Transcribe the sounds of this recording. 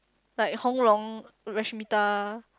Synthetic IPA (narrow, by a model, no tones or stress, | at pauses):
lajhɔŋlɔŋ | ɹɛʃmit̪a